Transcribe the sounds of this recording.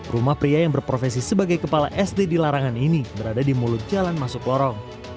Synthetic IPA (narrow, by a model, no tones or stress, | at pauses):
rumahpɾiajaŋbərpɾofesisəbaɡajkəpala̰ʔɛsdedilaɾaŋaninibəɾadadimulʊt̪̚d͡ʒalanmasʊklɔɾɔŋ